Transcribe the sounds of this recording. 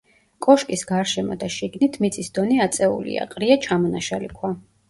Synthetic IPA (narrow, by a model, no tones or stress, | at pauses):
kʼɔʃkʼisɡaɾʃɛmɔ̰d̪aʃiɡnit̪ʰmit̪sʰʼisd̪̥ɔniat̪sʼɛṵlḭa̰qʼɾiat͡ʃʰamɔnaʃalikʰwa